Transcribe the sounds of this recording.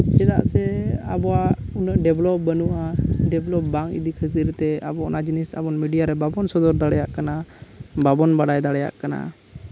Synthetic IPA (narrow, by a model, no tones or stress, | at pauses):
t͡ʃɛd̪a̰ʔsɛabɔwaunəʔɖɛblɔp̚bənuʔaɖɛblɔp̚baŋḭd̪ikʰət̪iɾt̪ɛabɔnad͡ʒnisa̰bɔnmiɖijaɾɛbabɔnsɔd̪ɔɾd̪aɽɛjaʔkanababɔnbaɽajd̪aɽɛja̰ʔkana̰